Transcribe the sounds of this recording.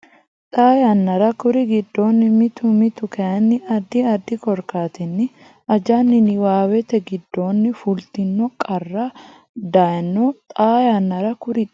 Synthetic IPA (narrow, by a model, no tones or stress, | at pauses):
t̪ʼaːjɐnːɐɾɐkʊɾɪɡɪd̪ːo̞ːnːɪmɪt̪ʊmɪt̪ʊkʰɐjɐnːɪʔɐd̪ːɪɐd̪ːɪkɔɾkaːt̪ɛnːɪ | ɐd͡ʒanːɪnɪwaːwɛt̪ɛɡɪd̪ːo̞ːnːɪfʊlt̪ɪnːɔkʼɐrːa | d̪ajɐnːot̪ʼaːjanːɐɾɐkʊɾɪ